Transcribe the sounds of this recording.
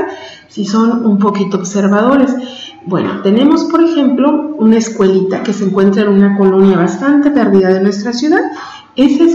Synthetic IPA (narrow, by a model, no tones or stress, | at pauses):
siso̞nump̬o̞kit̪ooβse̞ɾβað̞o̞ɾe̞s | bwe̞̰no̞̰t̪e̞ne̞mo̞spo̞ɾe̞xe̞mplo̞unaeskwe̞lit̪ake̞se̞ŋkwe̞nt̪ɾaenunako̞lo̞njaβast̪ant̪e̞peɾðiðaðe̞nwe̞st̪ɾasjuðað | e̞ses